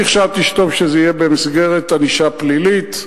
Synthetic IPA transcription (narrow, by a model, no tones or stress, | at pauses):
iχʃavt̪liʃto̞vʃezeijebemisɡeʁet̪aniʃaplilit